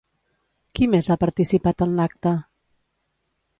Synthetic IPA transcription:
kimezapəɾt̪isipat̪ənlak̚t̪ə

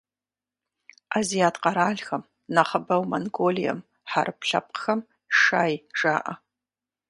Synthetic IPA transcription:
azijaːtqɑɾaːɮxɐm | naχɐbɐwmonɡolijɐ̰m | ħaɾʔɨpʰɬɐ̰p̚qxɐm | ʂaːjʐaːʔɐ

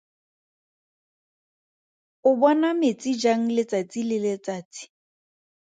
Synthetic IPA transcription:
ʊbɔnamet͡sʼid͡ʒaŋ̩lɪt͡sat͡sʼilɪlet͡saːt͡si̥

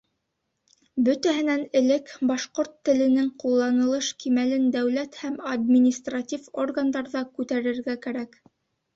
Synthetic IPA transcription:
bɵt̪æɦɘ̆nænɘ̆lɘkbɑʃqoɾt̪ːɘ̆lɘ̆nɘŋqulˠːɑnɤ̆lˠɤʃkimælɘnd̪æwlæt̪hæmɐd̪mʲinʲist̪ratʲiforɡand̪ɑɾðɑkʉt̪æɾɘ̆ɾɡækæɾæk

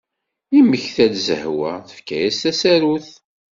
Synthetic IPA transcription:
iməçθæd̪zə̰hwæθə̥fkæjæst̪æsæɾuθ

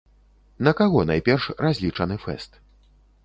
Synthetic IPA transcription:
nɐkaɣɔna̰jpʲɛrʂrazʲlʲit͡ʂɐnɨfɛ̰st̪

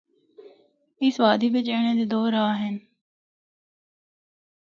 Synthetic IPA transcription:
ɪsʋaːd̪iːʋɪt͡ʃeːɽ̃ẽːd̪ed̪oːɾaaɦɪn

